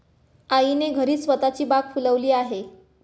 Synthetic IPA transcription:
aineɡʱəɾiːsʋət̪at͡ɕiːbak̚fuləʋliːaɦe

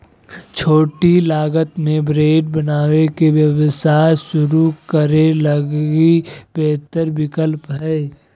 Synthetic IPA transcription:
t͡ʃʰoːʈilaːɡət̪mẽbɾeːɖ̚bənaːwekeʋjəʋsaːsʊɾukəɾeləɡibɛːt̪əɾbɪkəlpɦɛː

